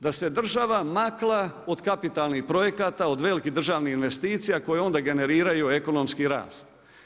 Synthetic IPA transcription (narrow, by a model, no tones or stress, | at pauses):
d̪ase̞d̪r̩ʒaʋamaklˠao̞d̪kapit̪alˠnixpɾo̞je̞kaːt̪aod̪ʋe̞ːlikid̪ɾr̩ʒaːʋnihinʋe̞st̪iːt̪sijako̞jeo̞nd̪aɡe̞ne̞ɾiːɾajue̞ko̞no̞mskiɾa̰ːst̪